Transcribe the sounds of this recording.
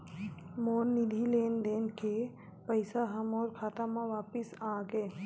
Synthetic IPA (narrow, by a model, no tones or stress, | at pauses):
moːnːid̪ʱileːnd̪eːnke | pəɪsaɦəmɔːɾkʰaːt̪amãʋaːpɪsaːɡəe